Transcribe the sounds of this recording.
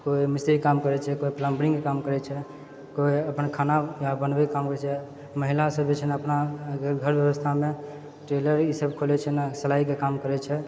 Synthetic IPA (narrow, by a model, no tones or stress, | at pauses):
koimist̪ɾikamkəɾɛt͡ʃʰɛkoipləmbɾĩŋkekamkəɾɛt͡ʃʰɛ | koiəpnkʰanajabənbɛkamkəɾɛt͡ʃʰɛ | məɦilasəbit͡ʃʰɛnaəpnaɡʱəɾbjəbəst̪ʰame | ʈɾeləɾisəbkʰolɛt͡ʃʰɛnasəlaikekamkəɾɛt͡ʃʰɛ